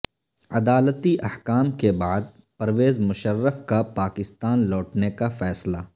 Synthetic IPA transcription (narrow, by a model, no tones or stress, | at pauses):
ɐd̪aːlət̪iʔɐhkaːmkebaːd̪̚ | pɐɾʋeːzmʊʃərːəfkapaːkɪst̪aːnlɔːʈnekafɛːsla